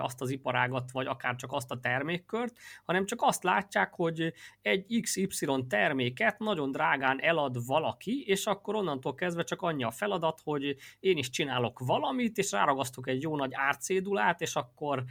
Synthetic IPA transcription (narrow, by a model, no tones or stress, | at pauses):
ɒ̰st̪ɒzipɒɾaːɡɒt̪ʋɒɟɒkaːrt͡ʃɒkɒst̪ɒt̪ɛrmeːkːørt̪hɒnɛmt͡ʃɒkɒst̪laːcːaːkho̞ɟɛɟːiksipsilo̞nt̪ɛrmeːkɛt̪nɒɟo̞nd̪raːɡaːnʔɛlɒd̪vɒlɒkieːʃɒkːo̞ɾo̞nːɒnt̪oːlkɛzd̪vʋɛt͡ʃɒkɒɲːiɒfɛlɒd̪ɒt̪ho̞ɟeːniʃt͡ʃinaːlo̞kvɒlɒmit̪eːʃra̰ːɾɒɡɒst̪ukɛɟjoːnɒɟaːrt̪seːd̪ulaːt̪eːʃɒkːo̞r